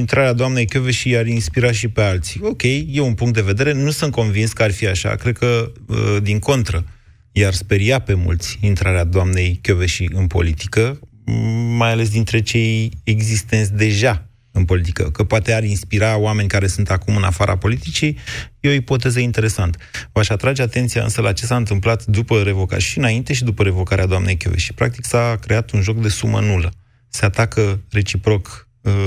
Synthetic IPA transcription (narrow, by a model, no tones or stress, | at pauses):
int̪ɾaɾead̪oamne̞jkʲo̞veʃiaɾinspiɾaʃipe̞alt̪si̥o̞kʲe̞jːe̞unpuŋkt̪d̪e̞ve̞d̪e̞ɾe̞nusunt̪̚ko̞nvinskəarfiaʃa̰kɾe̞d̪̚kə | d̪iŋko̞nt̪ɾə | jarspe̞ɾijape̞mṵlt̪sʲint̪ɾaɾead̪oamne̞jkʲoveʃiɨnpo̞̰lit̪ikə | majale̞s̬d̪int̪ɾe̞t͡ʃe̞jeɡzist̪e̞nt̪sʲd̪e̞ʒa | ɨnpo̞lit̪i̥kə̰kəpoat̪e̞aɾinspiɾaowame̞nʲkaɾe̞sunt̪akumɨnafaɾʔa̰po̞lit̪it͡ʃijjeoipo̞t̪e̞zəint̪e̞ɾe̞sant̪əvaʃat̪ɾad͡ʒe̞at̪e̞nt̪sija̰ɨ̰nsəlat͡ʃe̞saɨnt̪ɨmplat̪d̪upəɾe̞vo̞ka̰ʃiɨnaint̪e̞ʃid̪upəɾe̞vo̞kaɾead̪oamne̞jkʲo̞̰vḛʃi̥pɾa̰k̚t̪iksakɾe̞at̪unʒo̞kd̪e̞sumə̰nulə | seat̪akəre̞t͡ʃipɾo̞k